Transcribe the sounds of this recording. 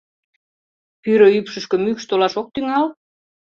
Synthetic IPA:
pyɾøypʃə̆ʃkə̆mykʃt̪olɑʃok̚t̪yŋɑl

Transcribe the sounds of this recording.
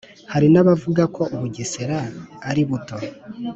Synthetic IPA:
haɾinaβavuɡako̞ʔuβuɟeseɾaːɾiβuto̞

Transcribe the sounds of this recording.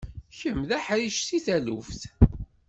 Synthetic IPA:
çəmðæħɾiʃt̪iθælufθ

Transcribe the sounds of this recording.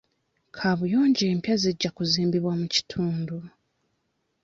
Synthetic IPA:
kʰaβujo̞ːɲɟeːmpjaziɟːakuziːmbiβwamuci̥tʰuːndu

